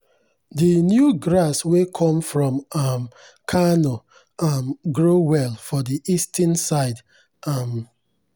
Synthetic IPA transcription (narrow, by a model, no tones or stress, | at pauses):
dinjuɡɾaswekʰɔ̃mfɹɔ̃mam | kʰanɔ | amɡɹowɛlˠfɔdiʔistʰə̃nsaɪd | am